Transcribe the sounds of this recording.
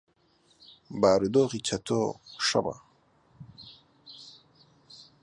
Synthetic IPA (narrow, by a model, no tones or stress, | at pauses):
baːɾid̪oːɣit͡ɕʰat̪oːʂa̰ba̰